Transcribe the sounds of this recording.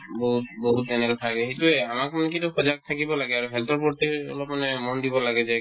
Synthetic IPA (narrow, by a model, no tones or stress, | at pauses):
bɔɦut̚boɦutɛnɛkɔtʰakɛɦetuɛamakmanɛk̬ituxɔzak̚t̪ʰakibɔlaɡɛaɹuɦɛltɔɹpɔɹtiɔ̰lɔp̚manɛmɔndibɔlaɡɛzɛ